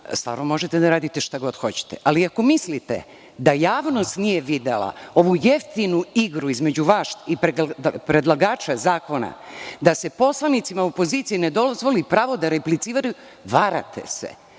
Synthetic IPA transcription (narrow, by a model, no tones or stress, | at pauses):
st̪va̰ːɾnomo̞ʒet̪e̞d̪aɾaːd̪it̪eʃt̪aɡo̞d̪xo̞t͡ɕe̥t̪ḛʔaliako̞mislit̪ḛ | d̪ajaːʋno̞st̪nije̞ʋid̪ḛlˠa̰o̞ʋujeft̪inuiɡɾuizme̞d͡ʑuʋaʃipɾepɾed̪laɡaːt͡ʃazaːko̞na̰d̪ase̞po̞slˠanit̪simaopo̞ziːt̪siined̪o̞zʋo̞lipɾaːʋo̞d̪aɾeplit̪siːʋaɾu | ʋaɾa̰t̪ʰe̞̰sḛ